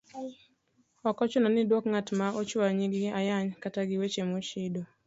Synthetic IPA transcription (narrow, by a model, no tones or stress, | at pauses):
ɔkɔt͡ʃʊnɔnɪdwokŋatmaot͡ʃwaɲiɡɪajaɲkataɡɪwet͡ʃemot͡ʃido